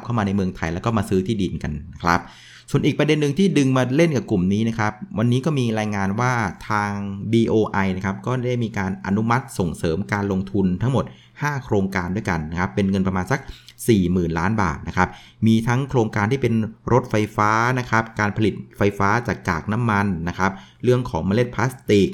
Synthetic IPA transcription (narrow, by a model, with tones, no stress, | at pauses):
p̚kʰa˥˩wmaː˧na˧jmɯ˧əŋt̪ʰa˧jlɛ˦˥wkɔː˥˩maː˧sɯː˦˥t̪ʰiː˥˩di˧nka˧na˦˥kʰɾa̰˦˥p̚ | su˨˩ənʔiː˨˩k̚pɾa˧de˧nːɯ˨˩ŋt̪ʰiː˥˩dɯ˧ŋmaː˧le˥˩nka˨˩pklu˨˩mniː˦˥na˦˥kʰɾa˦˥p̚wa˧nːiː˦˥kɔː˥˩miː˧ɾaː˧jŋaː˧nwaː˥˩t̪ʰaː˧ŋbiː˧ʔoː˧ʔa˧jna˦˥kʰa˦˥p̚kɔː˥˩˦da˥˩jmiː˧kaː˧nʔa̰˧nu˦˥ma˦˥t̪̚so˨˩ŋsɤː˩˦mkaː˧nlo˧ŋt̪ʰu˧nt̪ʰa˦˥ŋmo˨˩t̪̚ | haː˥˩kʰɾoː˧ŋkaː˧ndu˥˩jka˧nːa˦˥kʰa˦˥pːe˧nŋɤ˧npɾa˧maː˧nsa˦˥k̚siː˨˩mɯː˨˩nlaː˦˥nba̰ː˨˩t̪̚na˦˥kʰɾa˦˥p̚ | miː˧t̪ʰa˦˥ŋkʰɾoː˧ŋkaː˧nt̪ʰiː˥˩pe˧nɾo˦˥t̪̚fa˧jfaː˦˥na˦˥kʰa˦˥p̚kaː˧npʰa˧li˨˩t̪̚fa˧jfaː˦˥t͡ɕaː˨˩kːa̰ː˨˩k̚na˦˥mːa˧nːa˦˥kʰa˦˥p̚ | ɾɯ˥˩əŋkʰɔː˩˦ŋma˧le˥t̪̚pʰaː˦˥st̪i˨˩k̚